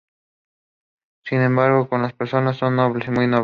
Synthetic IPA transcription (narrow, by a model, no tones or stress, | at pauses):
sinẽmbaɾɣokonlaspeɾso̞nasːo̞nːoβlesimujnoβ